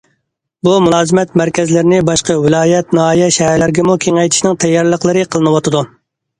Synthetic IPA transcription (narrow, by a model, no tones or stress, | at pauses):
bumulˠɑːzɨmɛt̪mæɾkʲɛzlɪɾɪnɪbɑʃqɑwɪlˠɑːjɛt̪̚nɨɦɑːjɛʃɛɦæɾlɪɾɪɡʲɛmukʲʰeŋɛjt̪ʰɪ̥ʃnɪŋt̪ʰɛjːɑɾlˠəqlˠɨɾɨqʰəlˠɨnɨwɑt̪ʰɨd̪u